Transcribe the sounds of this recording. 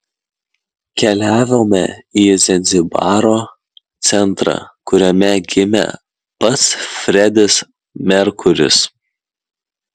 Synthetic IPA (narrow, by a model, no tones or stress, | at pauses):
kʲɛlʲæːʋʲoːmʲɛ̰iːzʲɛnʲzʲɪbɑːɾoː | t̪sʲɛnˑt̪ɾɑ̰ːkʊɾʲɛmʲɛɡʲɪmʲɛ̰ | pɐt̪sfʲɾʲɛd̪ʲɪs | mʲɛɾkʊɾʲɪ̰s